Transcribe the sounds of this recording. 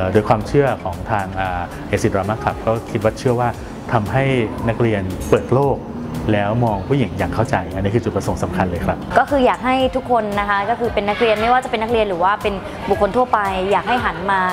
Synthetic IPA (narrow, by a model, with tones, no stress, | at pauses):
doː˧jkʰwaː˧mt͡ɕʰɯ˥˩ɐkʰɔː˩˦ŋt̪ʰaː˧ŋʔaː˨˩ | ʔeː˧si˨˩t̪̚ɾaː˧maː˥˩kʰa˨˩p̚kɔː˥˩kʰi˦˥t̪̚wa˦˥t͡ɕʰɯ˥˩əwaː˥˩ | t̪ʰa˧mɦa˥˩jna˦˥k̚ɾi˧ənpɤː˨˩t̪̚loː˥˩k̚ | lɛː˦˥wmɔː˧ŋpʰu˥˩ji˩˦ŋjaː˨˩ŋkʰa˥˩wt͡ɕa˧jʔa˥˧niː˦˥˩kʰɯː˧t͡ɕu˨˩pɾa˧so˩˦ŋsa˩˦mkʰa˧nlɤː˧jkʰɾa˦˥p̚kɔː˥˩kʰɯː˧jaː˨˩k̚ɦa˥˩jt̪ʰu˦˥kʰːo˧nːa˦˥kʰa˦˥kɔː˥˩kʰɯː˧pe˧nːa˦˥k̚ɾi˧ənma˥˩jwaː˥˩t͡ɕa˨˩pe˧nːa˥k̚ɾi˧ənɾɯː˩˦waː˥˩pe˧n | bu˨˩k̚ʰːo˧nt̪ʰu˥˩əpa˧jːaː˨˩k̚ha˥˩jɦa˩˦nmaː˧